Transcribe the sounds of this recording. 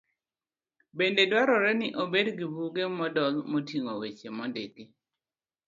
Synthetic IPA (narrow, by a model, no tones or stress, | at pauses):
bendedwaɾɔɾɛnɪʔobedɡibuɡemɔdɔlmotiŋowet͡ʃemɔndeki